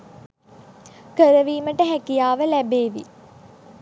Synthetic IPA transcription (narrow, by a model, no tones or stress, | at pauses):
kəɾəʋiːməʈəɦækijaːʋəlæbeːʋḭ